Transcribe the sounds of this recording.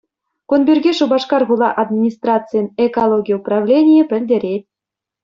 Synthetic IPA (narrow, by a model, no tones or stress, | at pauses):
kunbʲyrʲɡʲeʂubɑʂkɑrɣulˠɑ̰ʔɑd̪mʲinʲist̪rɑt̪t͡sɨjənekolˠoɡʲijuprɑvlʲenʲijĕpʲɘ̆lʲdʲĕɾʲet̪ʲ